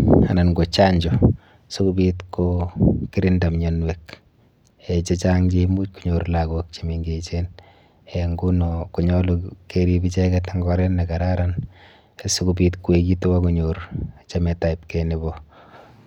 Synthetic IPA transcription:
ananɡot͡ʃaɲd͡ʒɔ | sukubitkokɪɾɪndamɲanwek | et͡ʃet͡ʃaŋd͡ʒemut͡ʃ̚kuɲoɾlaɡok̚t͡ʃimiŋɡet͡ʃen | eŋɡunɔkuɲɔlukeɾibit͡ʃɛkɛtaŋɡɔɾɛnnakaɾaɾan | sukub̬itkuwekituwakuɲoɾt͡ʃamɛtaip̚kenibɔ

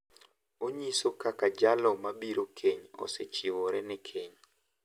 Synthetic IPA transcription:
oɲisokakad͡ʒalɔmabiɾokʰeɲɔ̰set͡ʃiwoɾɛnɛkʰeɲ

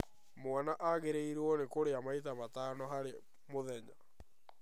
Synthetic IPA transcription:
mwanaʔaɣeɾeiɾɔnekoɾeamait̬amataːnɔɦaɾe | moðɛɲa

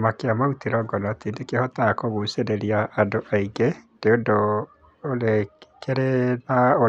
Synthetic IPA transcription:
makeamautiɾɔːŋɡɔnɔatindekehɔtakoɣuseɾeɾiaʔːndoʔaiŋɡed̥eondoː | lekeɾenao

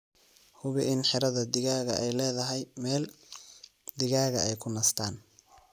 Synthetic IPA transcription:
hʊβɪʔɪnħɪɾɐðɐd̪ɪɣaːɣɐʔɛjlɛːðɐɦɛjmɛːl | d̪ɪɣaːɣɐʔɛjkʰʊnɐst̪ʰaːn

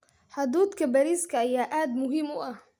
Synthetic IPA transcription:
ħʊd̪uːd̪kʰɐbaɾiːskʰɐʔajaːʔaːd̪mʊɦɪmʊʔɐh

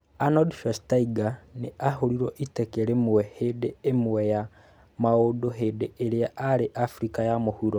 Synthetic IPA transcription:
anodʃastaiɡaneaɦoɾiɾoʔitɛkeɾemwɛhedeːmwwɛja | maodoɦedeʔːɾeaʔaɾeʔafɾikajamohuɾo

